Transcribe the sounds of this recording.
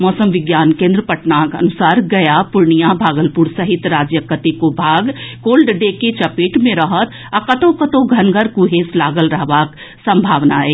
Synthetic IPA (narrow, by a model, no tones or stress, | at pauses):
mɔːsəmʋɪɡjaːnkẽːnd̪ɾəpəʈnakɐ̰nusaːɾɡɐjapʊɾɳijabʱaːɡəlpuɾsəɦɪt̪ɾaːd͡ʒjəkət̪ikobʱaːɡkoːlɖɖeket͡ʃɐpeʈmẽɾəɦət̪ | akət̪õkət̪õɡʱɐnɡʱəɾkuɦeslaːɡəlɾəɦʋak | sə̃mbʱaːʋnaeː